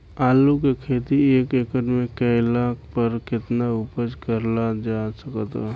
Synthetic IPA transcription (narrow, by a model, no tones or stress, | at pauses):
aːlukekʰeːt̪ieːkekəɾmẽkəɪlaːk̚ʰpəɾkɪt̪naʊpəd͡ʒkəɾlad͡ʒasəkət̪ː